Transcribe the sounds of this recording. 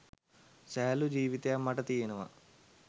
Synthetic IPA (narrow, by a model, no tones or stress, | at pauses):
seːɐlud͡ʑiːʋit̪eɐmːɐʈɐt̪iːjɐnuʋɐ̰